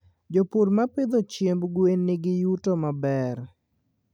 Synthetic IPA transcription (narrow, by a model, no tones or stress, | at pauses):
d͡ʒopuɾmapɪd̪ot͡ʃembɡwenːɪɡɪjutomabɛr